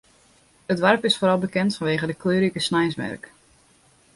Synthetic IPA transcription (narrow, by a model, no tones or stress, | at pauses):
ətʋarpɪsfoːɾɑlˠbəkɛntfɔnʋeːɣədəkløːɾikəsnɛjsʋɛ̰rk